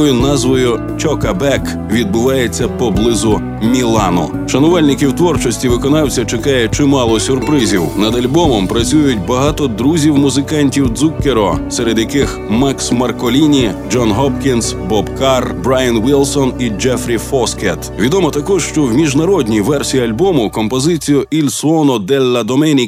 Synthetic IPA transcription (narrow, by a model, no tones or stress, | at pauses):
jʊnɑzʋɔjʊ | t͡ʃɔkɐbɛk | ʋʲid̪̚bʊʋɑjet͡sʲːɐpɔblˠɪzʊ | mʲilˠɑnʊ̰ | ʃɐnɔʋalʲnɪkiwt̪ʋɔrt͡ʃɔsʲtʲiʋɪkɔnɑwt͡sʲɐt͡ʃekɑjɛt͡ʃɪmɑlˠɔsʲʊrpɾɪzʲiwnɐd̪ɐlʲbɔmɔmpɾɐt͡sʲujʊt̚ʲbɐɦɑt̪ɔd̪ɾuzʲiwmʊzɪkɑnʲtʲiwd̪zukːeɾɔseɾed̪jɐkɪx | maksmɐrkɔlʲinʲid͡ʒɔnɦɔpkʲinsbɔbkaɑrbɾajɐnʋɪlˠsɔnid͡ʒɛfɾʲifɔskɛt̪ʋʲid̪ɔmɔt̪ɐkɔʒʃt͡ʃɔwmʲiʒnɐɾɔdʲnʲijʋɛrsʲijiɐlʲbɔmʊkɔmpɔzɪt͡sʲijʊʔilʲssɔnɔd̪ɛlʲːɐd̪ɔmɛnʲik